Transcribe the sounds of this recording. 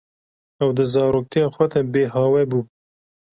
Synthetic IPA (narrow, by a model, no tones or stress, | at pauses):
ɛwd̪ɨzɑːɾoːk̚t̪ʰijɑːxʷɛd̪ɛbeːɦɑːwɛbuː